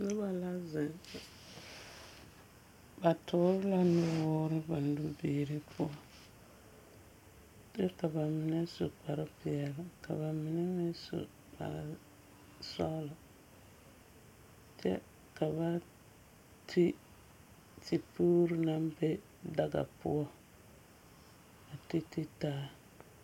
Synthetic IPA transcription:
nɪ˦ba˨la˦zɪ˨ŋ | ba˨tʰʊ˨˦ɾɪ˦la˦nɪ˦wɔ˦ɾɪ˦ba˨n˦du˦biː˨˦ɾi˦pʊ˦a˨ | dɪ˦ka˨ba˨mɪ˨nɛ˦so̰˨k͡pa˨ɾɪ˦pɪ˨ɛ˨lɪ˨ka̰˨ba˨mɪ˨nɛ˦mi˦sṵ˨ | k͡pa̰˨ɾ | sa̰˦la˨ | t͡ʃɛ̰˦ | ka˨βa˦ | tʰi˦ | ti˨pu˦ɾna˦mbe˦ | da˦ɡa̰˨pʊ̰˦ɔ˦ | a˨ti˦ti˦taː˦

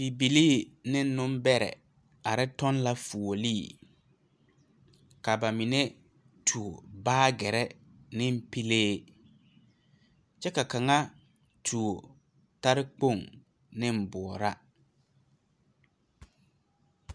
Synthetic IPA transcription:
bi˨bi˨liː˦˨nɪ˦n˦nʊ˦m˦bɛ˦ɾɛ̰˨ | a˨ɾɪ˦tɔ˦n˦la˦fu˨o˨liː˦˨ | ka˨ba˨mi˨ne˦ | tʰu˨o˨baː˦ɡɛ˨ɾɛ˦ | nɪ˦m̩˦pi˦leː˦ | t͡ʃɛ˦ka˨ka˨ŋa˦ | tʰu˨o˨ | ta˦ɾɪ˦k͡po˦˨ŋ | nɪ˦m̩˨bʊ˨ɔ˨ɾa˦

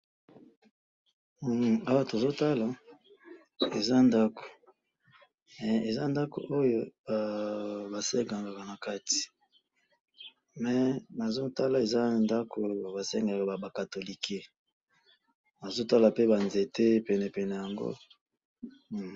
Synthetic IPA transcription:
a˦wa˦to˨zo˦ta˦la˨ | e˨za˦nda˦ko̥˨ | mɛ˨e˨za˦nda˦ko̰˨ʔo˦jo˦˨ | ba˨sɛ˦ŋɡa˨ŋɡa˨ka˨na˨ka˦ti̥˨ | mɛ˨na˨zo˦ta˦la˨e˨za˦nda˦kʰo˨ba˨sɛ˦ŋɡa˨ka˨a˨ba˨ka˨to˨li˨ke˦ | na˨zo˦ta˦la˨pe˦ba˨nze˨te˦pɛ˨nɛ˨pɛ˨nɛ˨ja˨ŋɡo̰˦˨

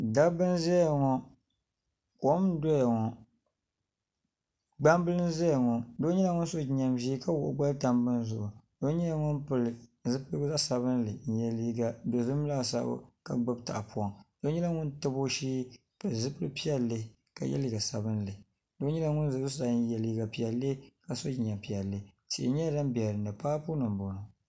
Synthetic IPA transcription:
da˦bɨ˦nzɛ˦˨ŋɔ˦ | ko˨˦mdo˦ja˨ŋɔ˨ | ɡ͡ba˦mbɨ˦lɨ˦n˦zɛ˦a˨ŋɔ˨do˦ɲɛ˦la˦ŋʊ˦n˦so˦˨ɲa˨mʒiː˦ka˦wʊ˨ʔʊ̰˦ɡ͡ba˦ta˦mbɨ˦n˦zʊ˦˨ʔʊ˨do˦ɲɛ˦a˦ŋʊ˦npɨ˨lɨ˨zɨ˦pɨ˦za˦sa˨βɨ˦nlɨ˨n̩˨jɛ˨li˦ɡa˦do˨zɨ˦m˦la˦˨sa̰˦b̰ka̰˨ɡ͡bɨ˦b̚ta̰˨a˨pu˦ɔ˨ŋd̥o˦ɲɛ˦la˦ŋʊ˦ntɨ˦bo˦ʃiː˦ | pɨ˨lzɨ˦pɨ˦lɨ˦pi˦ɛ˦lːɨ˨˦ | ka̰˨jɛ̰˦li˦ɡa˨sa˨bɨ˦n˦lɨ˨ | do˦ɲɛ˦la˦ŋʊ˦nzɨ˨zʊ˦sa˨˦n˦jɛ˨liː˦ɡa˨pi˨ɛ˨le˦ka˨so˦d͡ʒi˨ɲa˨mpi˨ɛ˨lːɨ˨ | si˨ʔɪ̰˨ɲɛ˦da˦mbi˨ɛ˨ɾɨ˨nɨ˨paː˦pu˦nɨ˨bo˨nʊ˨

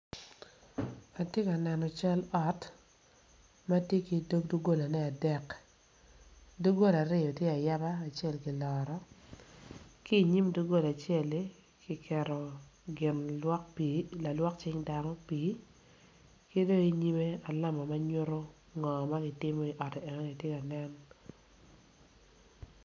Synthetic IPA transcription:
a˨tje˦ka˨nɛ˨nɔ˨t͡ʃa˦lɔ˨t | ma˦tje˦ki˨do˦ɡ̚du˦ɡo˦la˨nɛ˦a˨dɛ˦k | du˦ɡo˦la˨ɾɪ˦jɔ˨tje˦a˨ja˦baː˦˨t͡ʃe˦˨lkɪ˨lɔ˨ɾɔ˦ | kiː˦˨ɲi˦mdu˦ɡo˦la˨t͡ʃe˦˨l | kɪ˦kʰɛ˨ɾɔ˨ɡɪ˨nɔ˦kpila˨lwɔ˦k̚t͡ʃɪ˦ŋda˨ŋɔ˦pi˨˦ | ke˦do˦i˦ɲi˦me˦a˨la˦mɔ˨ma˦ɲʊ˦ɾo˦ | ŋɔ˨ma˦ɡɪ˦tɪ˦mɔ˦i˨ʔɔ˨tɛ˨ɛ˨ŋɔ˦i˨tje˦ka˨nɛ˦n

